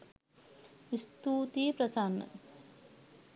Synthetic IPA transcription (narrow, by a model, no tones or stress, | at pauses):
ist̪uːt̪iːpɾɐsaːnɐ̰